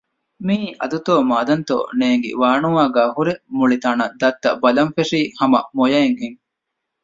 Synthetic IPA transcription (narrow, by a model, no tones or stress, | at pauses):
miːʔɐ̰d̪ut̪oːmaːd̪ɐnt̪o̰ːneːŋɡḛʋaːnuʋaːɡaːɦuɾemuɭit̪aːnɐd̪ɐt̪ːɐ̰bɐlɐmfeʂiːhɐmɐ̰mojɐeŋɦeŋ